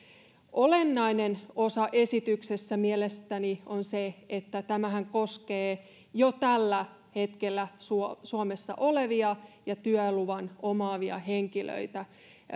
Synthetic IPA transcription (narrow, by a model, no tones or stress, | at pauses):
ʔolenːɑinenosɑʔesit̪yksesːæmielest̪ænionseet̪ːæt̪æmæhæŋko̞skeː | jot̪ælːæ | he̞t̪kelːæsusuomesːɑ̰ʔoleʋiɑjɑt̪yæluʋɑnomɑːʋiɑ̰heŋkilø̰it̪æ